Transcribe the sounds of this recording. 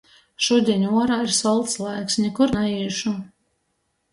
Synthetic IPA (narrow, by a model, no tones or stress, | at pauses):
ʃuɔd̪ʲiɛnʲuɔɾaːiɾsɔlˠt̪slˠajksnʲɛkuɾnaiːʃu